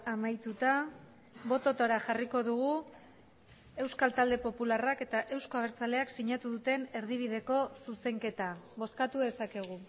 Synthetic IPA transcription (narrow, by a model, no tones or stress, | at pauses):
amajt̪ut̪a | βo̞t̪o̞t̪oɾaʝariko̞ðuɣ̞u | e̞wskalt̪ald̪e̞po̞pularake̞t̪aʔe̞wsko̞aβ̞e̞ɾt͡sale̞aksiɲat̪uðut̪e̞ne̞ɾð̞iβ̞iðe̞ko̞suse̞ŋke̞t̪aβo̞skat̪uðe̞sake̞ɣ̞u